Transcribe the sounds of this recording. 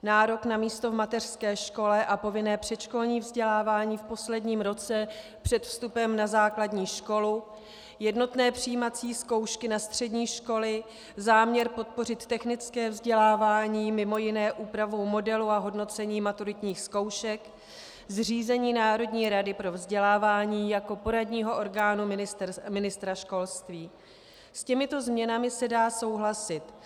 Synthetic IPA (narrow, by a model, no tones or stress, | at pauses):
naːɾo̞knamiːst̪o̞vmat̪ɛr̥skɛːʃko̞lɛʔapo̞vɪnɛːpr̝̥ɛt͡ʃko̞lɲiːvzɟɛlaːvaːɲiːfpo̞slɛdɲiːmɾo̞t͡sɛ | pr̝̥ɛt̪fst̪upɛmnazaːkladɲiːʃko̞lu | jɛdno̞t̪nɛːpr̝̥ijimat͡siːsko̞wʃkɪnast̪r̝̥ɛdɲiːʃko̞lɪ | zaːmɲɛɾpo̞t̪̚po̞rɪt̪ːɛxnɪt͡skɛːvzɟɛlaːvaːɲiːmɪmo̞jɪnɛːʔuːpɾavowmo̞dɛluaɦo̞dno̞t͡sɛɲiːmat̪uɾɪt̪ɲiːxsko̞wʃɛk | zr̝iːzɛɲiːnaːɾo̞dɲiːɾadɪpɾo̞vzɟɛlaːvaːɲiːjako̞po̞ɾadɲiːɦo̞ʔo̞ɾɡaːnumɪɪst̪mɪnɪst̪ɾaʃko̞lst̪viː | scɛmɪt̪o̞zmɲɛnamɪsɛdaːso̞wɦlasɪt̪